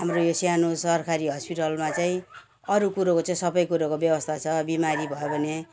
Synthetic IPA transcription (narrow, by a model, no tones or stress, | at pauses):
ɦamrojosjanosʌrkʰaɾiɦʌspiʈʌlmat͡saĩ | ʌɾukuɾokot͡saĩsʌbʌjkuɾokobjʌbʌst̪ʰat͡sʰʌbimaɾibʱʌjobʱʌne